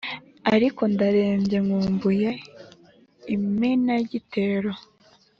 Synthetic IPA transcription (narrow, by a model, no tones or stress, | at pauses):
aɾiko̞ndaɾe̞ːmɟe̞ŋuːmbuje | imenaɟite̞ːɾo